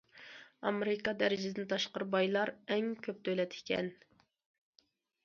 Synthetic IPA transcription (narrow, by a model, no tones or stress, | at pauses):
ɑ̰meɾɪkɑd̪æɾɪd͡ʒɪd̪ɪnɪt̪ʰɑʃqəɾɨbɑjlˠɑɾɛŋkʲʰøp̚t̪ʰølɛt̪ʰɪ̥kʲɛ̰n